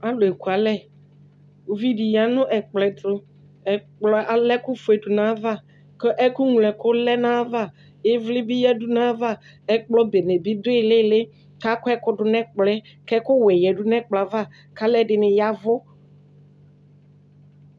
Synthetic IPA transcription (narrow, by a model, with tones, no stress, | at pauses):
a˦lʊ˨e˨ku˨a˨lɛ˦˨ | o˨vi˦di˨ja˨nʊ̃˦ʔɛ˨k͡plɛ˨t̪ɾʊ˨ | ɛ˨k͡plɔ˦a˨lɛ˦kʊ˦fʊ˨ɛ˨dʊ˨nã˨˦va˦˨ | kɔ˦ʔɛ˦kʊ˦ŋ˨lɛ˨kʊ˦lɛ˦nã˦va˦˨ | ɪ˦vlɪ˦bɪ˦jɛ˦du˦nã˦va˦ | ɛ˦k͡plɔ˦be˨nɛ˨bɪ˦dʊ˦ɪ˦˨lɪ˦˨lɪ˦ | ka˦kʊ˦ɛ˦kʊ˦dʊ˨nɛ̃˦k͡plɛ˦ | kɛ˦kʊ˦wɛ˨jɛ˨du˦nɛ̃˦k͡pla˨˦va˦˨ | ka˦lɛ˦dɪ˨nɪ˨ja˨vʊ˦